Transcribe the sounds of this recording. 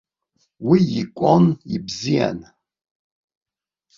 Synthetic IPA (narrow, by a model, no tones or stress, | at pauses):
wiikʷʼonibzija̰n